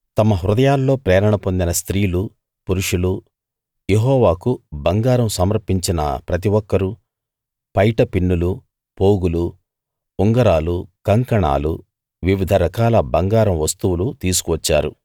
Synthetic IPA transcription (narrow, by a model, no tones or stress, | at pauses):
t̪ɐmɐɦɾud̪ɐjaːlːo̞ːpɾɛːɾɐɳɐpo̞nd̪inɐst̪ɾiːlu | puɾuʂulu | jeɦɔːʋaːkubɐŋɡaːɾɐmsɐmɐɾɐɾpːiɲt͡ʃinɐ̰pɾɐt̪̬iʋɔkːɐɾu | pɐjʈɐpinːulu | poːɡuluː | ŋɡɐɾaːlukɐŋkɐɳa̰ːlṵ | ʋiʋid̪ʱɐɾɐkaːlɐbɐŋɡaːɾɐmʋɐst̪uwulut̪iːsu̥kuʋɐt͡ʃːa̰ːɾu